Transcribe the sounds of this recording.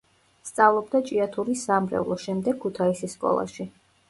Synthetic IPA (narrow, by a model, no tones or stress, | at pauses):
st̪sʼavlˠɔb̚d̪at͡ʃʼiat̪ʰuɾisamɾɛ̰vlˠɔʃɛmd̪ɛɡ̚kʰːut̪ʰaisisːkʼɔ̰lˠa̰ʃi